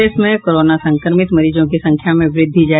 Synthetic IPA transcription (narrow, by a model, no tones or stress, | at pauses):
eːsmẽkoːɾoːnasɐ̃ŋkəɾmɪt̪mɐɾiːd͡ʒõkisɐ̃ŋkʰjamẽʋɾɪd̪ʱːid͡ʒaː